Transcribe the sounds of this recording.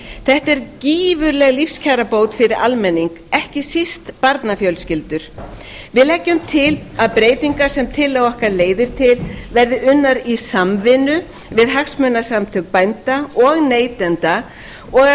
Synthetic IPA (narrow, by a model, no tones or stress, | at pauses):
θɛht̪ɛɾciːvʏɾlɛɣlifscʰaɾapoːwt̪fɪɾɪɾʔalmɛnːiŋkɛhcɪsɪst̪paɾt̪nafjœlscɪlt̪ʏɾ̥ | vɪðlɛcːʏmt̪ʰɪlaðpɾeːjt̪iŋkasɛmt̪ʰɪlːawɔhkaɾleːjðɪɾ̥t̪ʰɪlvɛɾðɪʔʏnːaɾisamvɪnʏ | vɪðɦaxsmœnːasamt̪ʰœkpajnt̪aɔɣneːjt̪ɛnt̪a | ɔɣa